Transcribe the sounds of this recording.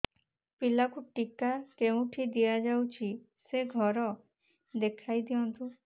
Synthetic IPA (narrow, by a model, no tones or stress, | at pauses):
pilakuʈikakeũʈʰid̪ijad͡ʒawt͡ʃʰi | seɡʱɔɾɔ | d̪ekʰajd̪iɔnt̪u